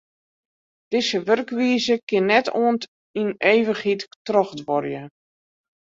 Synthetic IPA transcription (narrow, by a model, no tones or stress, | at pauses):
d̥ɪsəʋørkʋiəzəkɪnːɛtoən | ineːʋəxittrɔxdʋɔrjə